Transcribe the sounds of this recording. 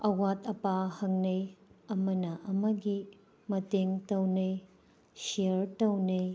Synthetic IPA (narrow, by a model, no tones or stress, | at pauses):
ɐwatʰɐpahɐŋnɐjɐmɐnɐʔɐmɐɡi | mɐteŋtɐwnɐj | sijɐɾtɐwnɐj